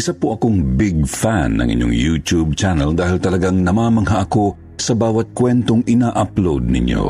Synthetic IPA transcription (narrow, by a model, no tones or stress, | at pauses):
ʔɪsapoʔɐkoŋbɪɡfanːɐ̰ŋʔɪ̰ɲjo̰ŋjut̪ub̚t͡ʃanɛld̪aːhɪlt̪ɐlɐɡaŋnɐmaːmɐŋɦaʔɐko̞ | sɐbaːwɐt̪̚kwɛnt̪oŋʔɪnaːʔaplowd̪̚nɪ̰ɲjo̰